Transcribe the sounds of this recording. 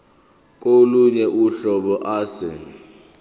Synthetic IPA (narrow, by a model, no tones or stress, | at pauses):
kʼoluɲɛʔuɬɔɓɔʔaːsɪ̰